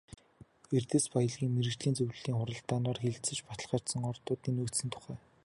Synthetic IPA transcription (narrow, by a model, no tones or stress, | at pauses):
ert̪eːspajə̆ɮɣʲiːŋmeɾɘ̆kt͡ɕɮiːnt͡sɵwɮiːŋχʊɾə̆ɬt̪aːnɔːrxeɮt͡sɘ̆t͡ɕpat̪əɮχaːr̥ʲt̪sə̆ŋɔrt̪ʊːt̪iːnɵt̪sɘ̆nt̪ʰʊ̥χæː